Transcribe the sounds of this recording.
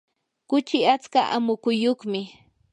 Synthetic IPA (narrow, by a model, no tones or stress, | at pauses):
kʊt͡ʃɪat͡skaʔa̰mʊkʊjoχmɪ